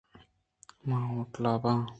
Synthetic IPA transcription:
mãõʈlabã

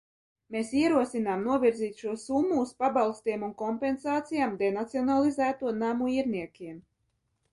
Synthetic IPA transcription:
mesiɛɾuɔsinaːmnuɔvʲiɾziːt̪ʃuɔsumːuːspabalˠst̪iɛmunkɔmpensaːt̪sijaːmd̪enat̪siɔnalˠizæːt̪uɔnamuiɾnʲiɛkʲiɛm

